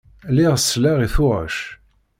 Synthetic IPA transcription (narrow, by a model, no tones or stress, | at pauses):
lɪʁsːlæʁiθʊʁə̰ʃ